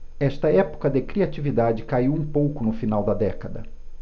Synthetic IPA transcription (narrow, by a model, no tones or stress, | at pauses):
ɛʃt̪ɐɛpo̥kɐd̪ekɾiat͡ʃivid̪ad͡ʒɪkaiwũpowkʊnʊfinawd̪ɐd̪ɛkɐd̪ɐ̰